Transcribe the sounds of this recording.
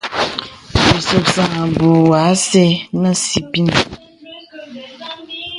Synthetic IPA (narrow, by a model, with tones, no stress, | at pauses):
bi˨so˨psa˨ŋa˨bu˨wa˨˦sɛ˦nə˦si˨pi˦n˨